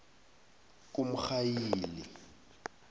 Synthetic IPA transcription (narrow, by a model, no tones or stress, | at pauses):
kʼʊm̩xajiːlɪ̰